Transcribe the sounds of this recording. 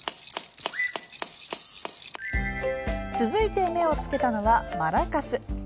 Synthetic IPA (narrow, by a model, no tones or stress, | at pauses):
t͡sɨzɨit̪e̞me̞o̞t͡sɨ̥ke̞t̪ano̞βamaɾakasɨ